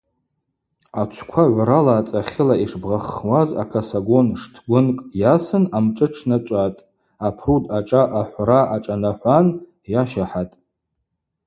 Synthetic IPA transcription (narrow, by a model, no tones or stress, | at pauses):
at͡ʃʷʰkʷʰaʕʷɾalaːt͡sʼaχʲɪlaiʂbʁaχwaza̰kʰasaɡo̞nʂtʰɡʷʊnkʼjasɨnamʈ͡ʂʼɨʈ͡ʂʰnat͡ʃʷʼatʼ | apʰrudʰʼaʈ͡ʂʼaʔaħʷraʔaʈ͡ʂʼanaħʷan | jaʃaħatʼ